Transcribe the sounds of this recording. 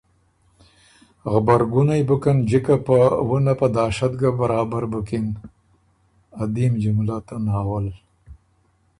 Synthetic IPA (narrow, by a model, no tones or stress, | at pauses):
ɣbaɾɡunajbukand͡ʒɪkapawunapad̪ɑːʃat̪ɡabaɾɑːbaɾbʊkin | ad̪imd͡ʒumlat̪anaːwəl